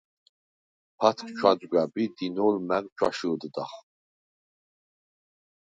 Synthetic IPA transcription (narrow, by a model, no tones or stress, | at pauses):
pʰat̪ʰkʰʼt͡ʃʷʰad͡ʒʼɡʷʼabid̪inolmækʼt͡ʃʷʰa̰ʃɨd̪ɨd̪aχ